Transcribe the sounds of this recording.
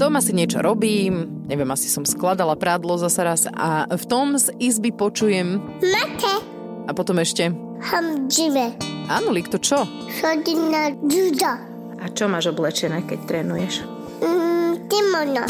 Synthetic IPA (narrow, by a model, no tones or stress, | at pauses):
t̪ɔmasiɲɪɛt͡ʃɔ̰ɾɔbiːm | ɲɛʋjɛmasi̥sɔmsklad̪alapɾaːd̪lɔzasaɾasa̰ft̪ɔmzizbipɔt͡ʃujɛm | mat̪ʰɛ | apɔt̪ɔmɛʃcɛ | hamd͡ʒiʋɛaːnɔlikt̪ɔt͡ʃɔ | xɔdinad͡ʒud̪a | ʔat͡ʃɔmaːʒɔblɛt͡ʃɛnɛːkɛct̪ɾɛːnujɛʃ | t̪imɔʒnɔ